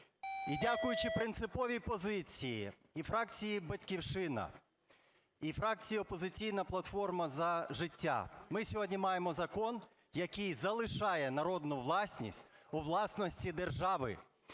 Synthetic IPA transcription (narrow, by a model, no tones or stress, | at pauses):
idʲakʊjʊt͡ʃɪpɾɪnt̪sɪpɔʋʲipɔzɪt͡sʲijḭ | ifɾɑk̚t͡sʲijibɐtʲkʲiwʃɪnɐ̰ | ifɾɑk̚t͡sʲijiɔpɔzɪt͡sʲijnɐplˠɐt̪fɔrmɐzɐʒɪtʲːa̰mɪsʲɔɦɔdʲnʲimɑjemɔzɐkɔn | jɐkijzɐlˠɪʃɑjɛnɐɾɔd̪nʊʋlˠɑsʲnʲḭsʲtʲuʋlˠɑsnɔsʲtʲid̪erʒɑʋɪ̰